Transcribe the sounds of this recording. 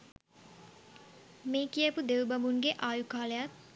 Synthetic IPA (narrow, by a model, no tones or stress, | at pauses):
meːkijəpud̪ewbɐmuŋɡeʔaːjukaːləjat̪̚